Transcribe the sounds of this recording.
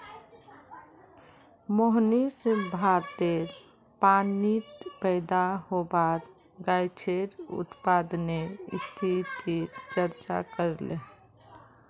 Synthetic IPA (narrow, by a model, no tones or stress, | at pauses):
moɦnisebʱaɾt̪eɾ | panit̪pəɪd̪aɦobaɾ | ɡajt͡ʃʰeɾṵt̪pad̪neist̪ʰit̪iɾt͡ʃəɾt͡ʃa̰kəɾlḛ